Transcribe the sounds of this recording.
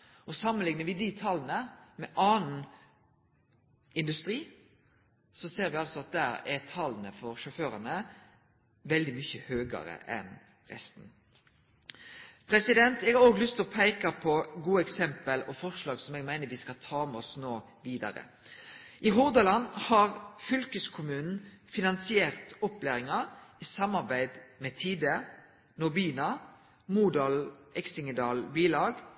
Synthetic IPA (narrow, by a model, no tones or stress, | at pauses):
ɔsɑmːənlɪŋnəʋɪd̪it̪ʰɑlːnəmɛʔɑːnn̩ | ɪnd̪ʉst̪ɾiː | sɔseːɾʋɪɑlsɔɑt̪̚d̪æːɾɛt̪ʰɑlːənəfɔɾʃʊføːɾɑnə | ʋɛld̪ɪmʏçəhøːɡɑ̰ɾə̰ʔɛ̰n | ʁɛ̰st̪n̩ | pʰɾɛsɪd̪ɛnt̪ɛɡhɑɾoːɡlʏst̪ʰlɔpʰæɪkɑpʰɔɡuːɛksɛmpəlɔfɔʁʂlɑːɡsɔmɛːɡmæɪnəɾʋiːskɑlt̪ʰɑːmɛɔsnoː | ʋiːd̪ɑ̰ɾə̰ | ʔɪɦʊʁd̪ɑlɑnhɑʁfʏlkəskʰʊmʉːnn̩fɪnɑnsɪeːʁt̪ɔpleːʁɪŋɑɾɪsɑmːɑʁbæɪd̪mɛt̪ʰiːd̪ə | nʊbiːnɑ | muːd̪ɑlɛksɪŋəd̪ɑːlbiːlɑːɡ